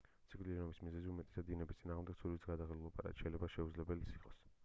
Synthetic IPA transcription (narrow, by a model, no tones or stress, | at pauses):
t̪sʰikʼliɾɛnɔbismizɛziumɛt̪ʼɛ̥sad̪d̪inɛbist̪sʼinaːʁmd̪ɛɡ̥̪̚sʰuɾit̪ʰɡad̪aχɛlulˠapʼa̰ɾa̰t̪ʃɛjlɛbaʃɛud̪zlɛbɛlisi̥χʼɔs